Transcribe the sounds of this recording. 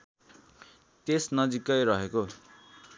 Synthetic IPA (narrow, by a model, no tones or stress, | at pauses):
t̪esnʌd͡zikʌjɾʌɦeko